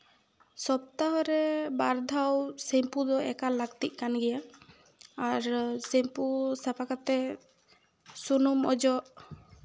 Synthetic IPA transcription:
sɔp̚t̪aɦɔɾɛbaɾd̪ʱawsempud̪ɔɛkalaɡt̪iʔ̚ˀkanɡɛjaː | ɾsempusapʰakat̪ɛ | sunumɔ̰d͡ʒɔʔ

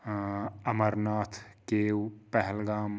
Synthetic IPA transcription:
ɐmɐɾnaːt̪ʰkeːwpɐɦɛlɡaːm

